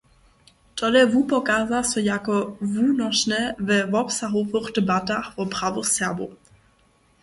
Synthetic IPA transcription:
tʰɔlɛvuːpɔkaːzasɔjakɔvuːnɔʃnɛvɛvɔpsaɦovoχdɛbataxvɔpʁavoxsɛɐbo̰

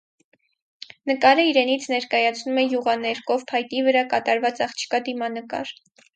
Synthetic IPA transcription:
nəkɑɾəiɾɛnit͡sʰnɛɾkɑjɑt͡sʰnumɛjuʁɑnɛɾkɔvpʰɑjt̪ivəɾɑkɑt̪ɑɾvɑt͡sɑχt͡ʃʰi̥kɑd̪imɑnəkɑ̰ɾ

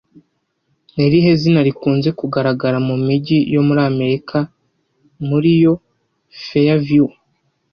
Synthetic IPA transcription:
eɾiɦe̞zinaɾikuːnze̞kuɡaɾaɡaɾamumiɟijo̞muɾaːme̞ɾikʰa | muɾijo̞ | fejavju

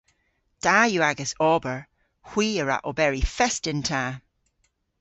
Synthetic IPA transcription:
d̥ajuaɡəsɔːbəɹ | hw̥iːəɹa̰ʔɔbɛɹifɛstɪntʰaː

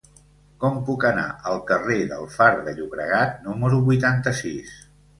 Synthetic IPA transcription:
kɔmpukəna̰ʔəlˠkəreðəlˠfaɾðəʎuβɾəɣat̪numəɾuβujt̪ant̪əsis

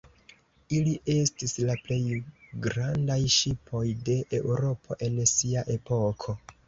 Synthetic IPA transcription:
iliʔe̞stislaple̞jɡɾandajʃipʰo̞jde̞ʔeuɾo̞pʰo̞̰ʔe̞nsiaʔe̞po̞kʰo̞

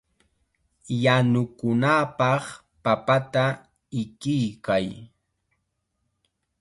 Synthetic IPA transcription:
janʊkʊnapɑχ | papat̪a | ɪkɪjkaj

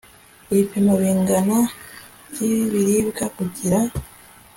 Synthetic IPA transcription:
iipemoβiŋɡana | ciβiɾiβukakuciɾa

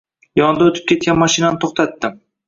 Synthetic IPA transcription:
jɒnd̪aot̪ʰɪp̚kʲʰe̞t̪̚kʲanmɒʃɪnanɪt̪ʰoχt̪ʰat̪ːɪm

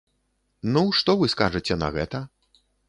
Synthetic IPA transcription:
nuʂt̪ɔvɨskaʐɨt͡sʲɛnɐ̰ɣɛ̰t̪ɐ

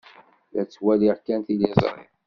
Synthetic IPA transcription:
læt͡sːwæliʁkænθilizˤɾˤḭ

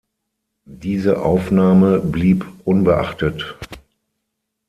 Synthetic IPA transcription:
d̥iːzəʔaʊfnaːməbliːpʔʊnbəʔa̰χtət

